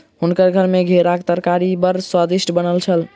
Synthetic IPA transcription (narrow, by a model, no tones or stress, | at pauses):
ɦunkəɾɡʱəɾmeɡʱeɾakt̪əɾkaɾibəɾswad̪iʃʈəbənəlt͡ʃʰəl